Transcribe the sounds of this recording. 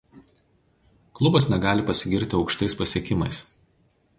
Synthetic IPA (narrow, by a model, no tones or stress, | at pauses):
klˠʊbɐsnʲɛɡɑːlʲɪpɐsʲɪɡʲɪɾʲt̪ʲɪɒʊkʃt̪ɐɪspɐsʲɛkʲɪmɐɪs